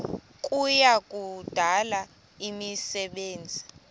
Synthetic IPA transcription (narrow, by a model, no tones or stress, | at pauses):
k̬ʼujakʼud̥ʱala | imisɛɓeːnd͡zʱi